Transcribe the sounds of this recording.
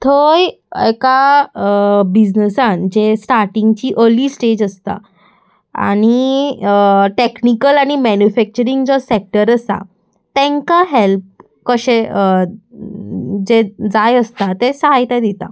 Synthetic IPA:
t̪ʰoj | eka | bid͡ʑnəsãnd͡ʑesʈaɾʈiŋɡt͡ɕiːʔəɾliːsʈed͡ʑəst̪a̰ | a̰ɽ̃i | ʈeknikəlaɽ̃imɛnufɛk̚t͡ɕəɾiŋɡd͡ʑɔsek̚ʈəɾəsa̰ | t̪ɛ̃ŋkaɦelp̚ | kəɕe | d͡ʑed͡zajəst̪at̪esəɦajt̪ad̪it̪a̰

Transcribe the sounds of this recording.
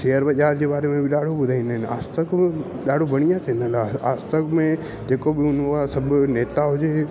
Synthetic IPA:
ʃejəɾʋəʄaːɾd͡ʑebaːɾemẽbʱiɗaːɽ̤ʱobʊd̪ʱaːĩnəna̰ːst̪əke | ɗaːɽ̤obəɽ̃ijãt̪ʰenəlaa̰ːst̪əkmẽ | d͡ʑeːkobiʊnkasəbneːt̪aɦod͡ʒe

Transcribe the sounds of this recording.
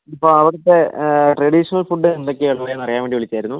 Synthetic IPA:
ɐpːoːɐʋiɽɐt̪ːe̞ʈrɐɽiʂɐnɐlfuɖːɨend̪o̞kʲːɨeɭɐʋɐɾenɐrɐjaːʋeɳɖiʋeɭit͡ɕːaːjiɾunːu

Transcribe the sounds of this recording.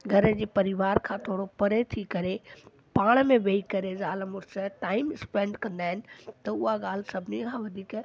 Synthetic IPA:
ɡʱɐɾə̆d͡ʑeːpɐɾɪʋaːɾkʰãt̪ʰoːɽopɐɾet̪ʰikɐɾe | paːɽ̃mẽʋeikɐɾezaːləmʊɾsəʈaːɪmɪspẽːɳɖkɐ̃nd̪aːɦɪnɪ̆t̪ɐʊɦaɠaːl̤ɪsɐbʱɪnikʰãʋɐd̪ʱiːk

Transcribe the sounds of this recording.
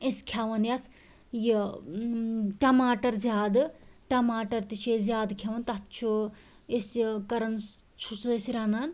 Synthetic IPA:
eskʲʰjaʋɐnjas | ji | ʈɐmaːʈɐɾzʲjaːd̪ɨʈɐmaːʈɐɾt̪it͡ʃʰezʲjaːd̪kʰaːʋɐnt̪ɐt̪t͡ʃʰu | eskɐɾɐn | t͡ʃʰusesiɾanan

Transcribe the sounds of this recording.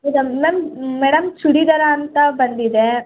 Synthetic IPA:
mɛɽɐmːemːɛːɽɐmsuɽid̪ɐɾɐːnt̪ɐbɐnd̪id̪e

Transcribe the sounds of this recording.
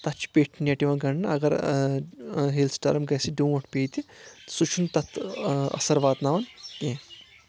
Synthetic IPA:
t̪ɐt͡ʃʰpeːʈʰnʲɐʈiʋɐnɡɐɳnɨɐ̰ɡɐɾ | ɦelsʈɐ̰ɾmɡɐsiɖũːɐʈʰpeːt̪isut͡ʃʰunt̪ɐt̪ʰɐ̰sɐɾʋaːd̪naːʋɐnkẽ

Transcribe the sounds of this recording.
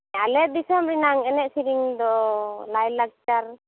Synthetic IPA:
alɛd̪isɛmbɾinaŋɛnɛʔsiɾiŋd̪ɔlajlak̚t͡ʃaɾ

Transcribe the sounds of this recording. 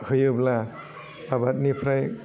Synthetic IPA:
hɯjɯblaː | bat̚nipʰɾaj

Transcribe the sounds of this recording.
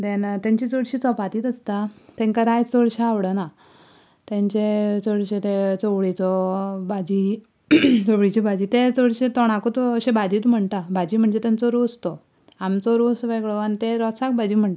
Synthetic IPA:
d̪ent̪ãɲt͡ɕit͡sɔɽɕiːt͡sɔpat̪iːt̪əst̪at̪ɛ̃ŋkaɾajt͡sɔɽɕaaʋɽəna | t̪ẽɲt͡ɕet͡sɔɽɕẽt̪ẽt͡sɔʋɭit͡sɔbad͡ʑi | t͡sɔʋɽit͡ɕibad͡ʑiːt̪ẽt͡sɔɽɕet̪ɔɽ̃akot̪əɕẽbad͡ʑit̪m̤əɳʈ̪abad͡ʑiːm̤əɳd͡zet̪ãnt͡sɔɾost̪ɔ | amt͡sɔɾosʋeɡɭɔanit̪eɾɔt͡sak̚bʱad͡ʑim̤əɳt

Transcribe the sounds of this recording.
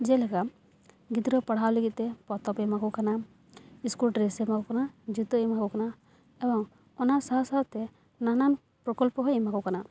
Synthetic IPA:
d͡ʒɛlɛkam | ɡid̪ɾɔpaɽ̤awleɡit̪ɛpɔt̪ɔpɛmakɔkana | iskulʈɾesemakɔkanad͡ʒut̪ɔɛmakɔkana | ɛbɔŋ | ɔnasaɦsat̪ɛ | nanan | pɾɔkɔlpɔɦɔjɛmakɔkana

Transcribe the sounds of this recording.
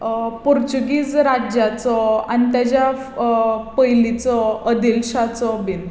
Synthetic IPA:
puɾt͡ɕuɡiːt͡sɾad͡ʑjat͡sɔa̰nit̪̬jat͡ɕja | pəjlit͡sɔəd̪ilɕat͡sɔbin

